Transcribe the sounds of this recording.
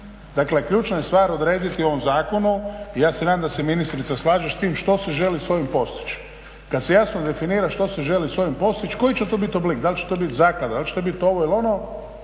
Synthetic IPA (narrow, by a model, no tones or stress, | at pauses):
d̪akle̞kʎʲuːt͡ʃnajest̪ʋaːɾo̞d̪ɾeːd̪it̪io̞ʋo̞mzaːko̞nuijaːsenaːd̪amd̪aseminist̪ɾit̪saslˠaːʒeʃst̪iːmʃt̪o̞seʒe̞lisʋo̞jimpo̞st̪i̥t͡ʃ | kad̪sejasnod̪e̞finiːɾaʃt̪o̞seʒe̞lisʋo̞jimpo̞st̪it͡ʃko̞jit͡ʃet̪obit̪oblikd̪alʲt͡ʃe̥t̪obit̪zaːklˠad̪ad̪alʲt͡ʃet̪obit̪o̞ʋo̞ilo̞no